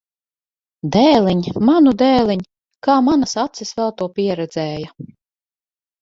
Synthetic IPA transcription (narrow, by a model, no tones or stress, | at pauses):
d̪ɛːlʲˠɛɲmanud̪ɛːlʲˠɛɲ | kaːmanasat̪sisvɛlˠt̪uɔpiɛɾɛd̪zɛːjɐ